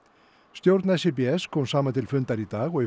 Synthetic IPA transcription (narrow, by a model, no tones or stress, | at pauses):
st̪jowɾt̪nɛsepeɛskʰɔmsaːmat̪ʰɪlfʏnt̪aɾit̪aːɣɔi